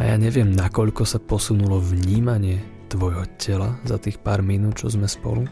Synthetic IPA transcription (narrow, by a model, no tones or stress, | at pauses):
aja̰ːɲɛʋɪɛmnakɔʎkɔsapɔsunulɔvɲiːmaɲɪɛ | t̪ʋɔjɦɔcʰɛlazat̪iːxpaːɾminuːt̪̚t͡ʃɔzmɛspɔ̰lu